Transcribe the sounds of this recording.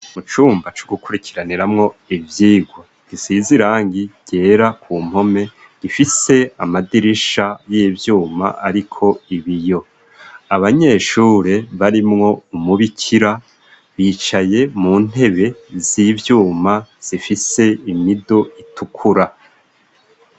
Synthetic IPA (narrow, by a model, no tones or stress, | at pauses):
mut͡ʃuːmbat͡ʃo̥ɡukuɾikʰiɾaniɾamŋo̞ivjiːɡwa | ɡ̥isiziɾaːŋɡiɟ̥e̞ːɾakʰuːm̥ho̞me̞ | ɡ̥ifise̞amadiɾiʃajevjuːma̰ʔaɾikʰo̞iβijo̞ | aβaɲe̞ʃuːɾe̞βaɾimŋo̞umuβicʰiɾa | βiːt͡ʃaje̞muːn̥e̞βe̞ziːvjuːmaz̥ifise̞imidoitukʰuɾa